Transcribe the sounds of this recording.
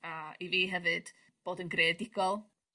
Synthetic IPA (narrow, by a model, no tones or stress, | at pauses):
aiviːɦɛvɨd̥ | b̥oːdənɡreːdɪɡɔlˠ